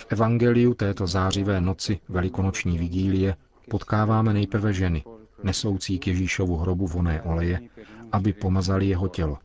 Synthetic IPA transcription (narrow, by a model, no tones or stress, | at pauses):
fʔɛvaŋɡɛlɪjut̪ɛːt̪o̞zaːr̝ɪvɛːno̞t͡sɪvɛlɪko̞not͡ʃɲiːvɪɡiːlɪjɛ | po̞t̪kaːvaːmɛnɛjpɾ̩vɛʒɛnɪnɛso̞wt͡siːkjɛʒiːʃo̞vuɦɾo̞buvo̞nɛːʔo̞lɛjɛʔabɪpo̞mazalɪjɛɦo̞cɛlo